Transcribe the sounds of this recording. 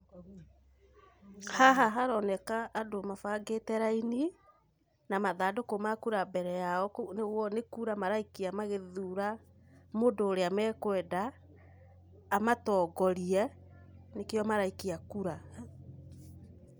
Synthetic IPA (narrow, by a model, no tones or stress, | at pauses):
haɦaɦaɾɔnɛkaʔːdomafaɡetɛɾaini | namaðaːdokomakuɾabɛɾɛjaɔnewɔnekuɾamaɾaikiamaɣeðuɾa | modoːɾeamɛːkwɛda | matɔːɡɔɾiɛ | nekeɔmaɾaikiakuɾa